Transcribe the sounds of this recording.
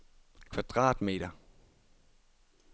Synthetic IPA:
kʰʋɑ̈d̥ʁɑ̰̈ːd̥me̝̰ːɾ̥ɐ

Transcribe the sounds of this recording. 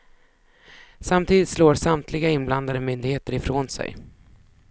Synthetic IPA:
samt̪ʰiːd̪ɪt̪sloːɾsamt̪ʰlɪɡaɪnːbland̪ad̪əmʏnd̪ɪɡheːt̪əɾɪfɾoːnsɛ̰j

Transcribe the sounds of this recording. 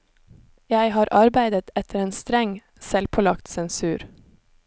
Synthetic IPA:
jæɪhɑːɾʔɑɾbæɪd̪ət̪ɛt̪ʰəɾeːnst̪ɾɛŋ | sɛlpʰɔlɑkt̪sɛnsʉːɾ

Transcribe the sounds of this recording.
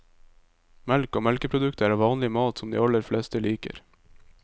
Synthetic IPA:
mɛlkoːmɛlkəpʰɾʊd̪ʉkt̪æːɾɑʋɑːnlɪmɑːt̪sɔmd̪ḭːɑləɾflɛst̪əliːkə̰ɾ

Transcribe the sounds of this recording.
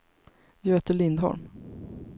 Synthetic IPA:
jɑːeːt̪əɭɪnd̪hɔ̰ɾm

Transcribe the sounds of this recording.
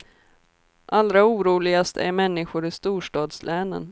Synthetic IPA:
ʔald̪ɾauːɾuːlɪɡast̪æ̰ɾmɛnːɪɧʊɾɪst̪uːʂʈɑːd̪slʔɛːnə̰n

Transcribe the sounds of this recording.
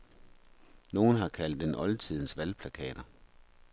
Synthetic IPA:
no̝ːn̩ɦɑ̈kʰæl̰d̥enʔɒ̽lt͡sʰið̞̰ˠn̩sʋælpʰlækʰɛ̰ːd̥ɐ

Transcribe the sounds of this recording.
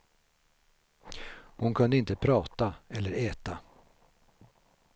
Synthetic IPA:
hʊnkʰɵnd̪əɪnt̪əpʰɾɑːt̪aɛlːəɾɛːt̪a

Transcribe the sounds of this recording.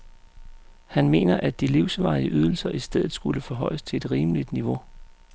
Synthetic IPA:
hænme̝̰ːnɐʔæd̥iliʊsʋɑ̈ɪəʔyð̞ˠl̩sɐʔisd̥eð̞̰ˠð̩ˠsɡ̥uləfɒ̽ɦɒ̽ɪəst͡sʰe̝e̝d̥ʁiːmlid̥niʋo̝

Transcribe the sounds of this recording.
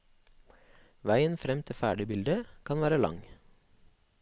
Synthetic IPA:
ʋæɪənfɾɛmt̪ʰɪfæːɖɪbɪld̪əkʰɑnʋæːɾəlɑ̰ŋ

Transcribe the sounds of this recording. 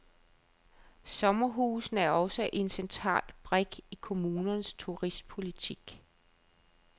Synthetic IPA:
sɒ̽mɐɦuːsn̩æɐɒ̽səʔe̝nsent͡sʰʁɑ̰̈ːlb̥ʁeɡ̥ikʰo̝muːnɐnəst͡sʰuʁisd̥̚pʰo̝lit͡sʰiɡ̥

